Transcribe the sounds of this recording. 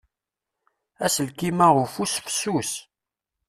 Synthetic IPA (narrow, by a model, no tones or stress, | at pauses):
æsəlkimæʁʊfusfsus